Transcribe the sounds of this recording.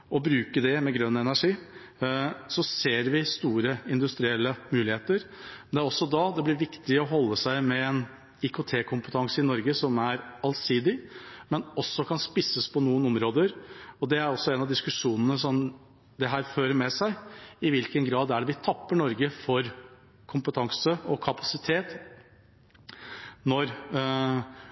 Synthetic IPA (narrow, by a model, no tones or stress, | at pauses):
ɔbɾʉːkəɖ̪ɛmɛɡɾœnːəɛnæʂiː | sɔseːɾʋɪst̪uːɾəɪnd̪ʉst̪ɾɪɛlːəmʉːlɪheːt̪əɾmɛnɛæɾɔsːɔd̪ɑd̪ɛblɪɾʋɪkt̪ɪɔɦɔlːəsæɪmɛɛn | ɪkʰʊt̪ʰeːkʰʊmpət̪ʰɑŋsəɪnɔɾɡəsɔmæɾɑlsiːd̪ɪmɛnɔsːɔkʰɑnspɪsəspʰɔnuːənɔmɾoːd̪əɾɔd̪ɛæɾɔsːɔɛnɑd̪ɪskʉʂuːnənəsɔm | d̪ɛɦæːɾføːɾəmɛsæɪɪʋɪlkənɡɾɑːd̪æɖʋɪt̪ʰɑpːəɳɔɾɡəfɔɾ | kʰʊmpət̪ʰɑŋsəɔkʰɑpʰɑsɪt̪ʰeːt̪ | nɔɾ